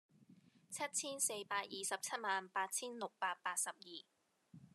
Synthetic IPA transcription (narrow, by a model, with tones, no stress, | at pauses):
t͡sʰɐ˥t̚t͡sʰiː˥nse˧jpaː˧t̚jiː˨sɐ˨p̚t͡sʰɐ˥t̚maː˨npaː˧t̚t͡sʰiː˥nlʊ˨k̚paː˧t̚paː˧t̚sɐ˨p̚jiː˨˩